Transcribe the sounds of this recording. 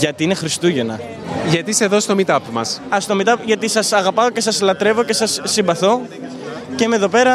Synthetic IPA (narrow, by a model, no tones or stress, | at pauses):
ʝɐt̪iine̞xɾist̪uʝe̞nɐ | ʝɐt̪iseðost̪o̞mit̪ɐpmɐsɐst̪o̞mit̪ɐpʝɐt̪isɐsɐɣɐpɐoce̞sɐslɐt̪ɾe̞vo̞ce̞sɐsːimbɐθo̞ | ceme̞ðo̞pe̞ɾɐ